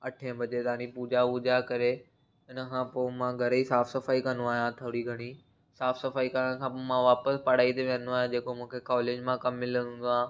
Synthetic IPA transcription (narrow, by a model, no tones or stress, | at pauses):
ɐʈʰẽə̃bʱɐd͡ʑet̪aːnĩpuːd͡ʑauːd͡ʑakɐɾe | ɪnə̆kʰãːpoːmãɡʱɐɾəisaːfsɐfaːikɐ̃nd̪oaːɦjãt̪ʰɐɽiɡʱɐɽ̃i | saːfsɐfaːikɐɾəɽ̃kʰãpmãʋaːpəspɐɽ̤aːit̪eʋẽnd̪oaːɦjãd͡ʑeːkomũːkʰekɔːleːd͡ʑmãkɐmːɪlə̃nɦũːnd̪oaː